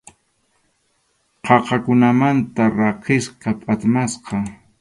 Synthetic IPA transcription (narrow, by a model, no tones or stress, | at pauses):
qʰɑqɑkʊnamant̪aɾɑqɪsqɑpʼat̪masqɑ